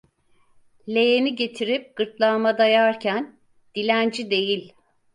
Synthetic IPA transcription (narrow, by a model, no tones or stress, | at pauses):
lʲe̞jeniɟe̞t̪ʰiɾip̚ɡ̥ɯɾt̪lˠamad̪ajaɾcʰæn | d̪̥ilʲænd͡ʒid̪e̞jilʲ